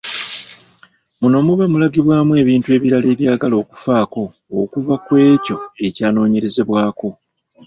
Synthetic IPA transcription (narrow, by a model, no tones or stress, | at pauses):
muno̞muβamulaɡiβwaːmwe̞ːβiːntue̞ːβiɾale̞ːβjaːɡalo̞ːku̥faːko̞ː | kuvakwe̞ːco̞e̞caːno̞ːɲe̞ɾe̞ze̞βwaːko̞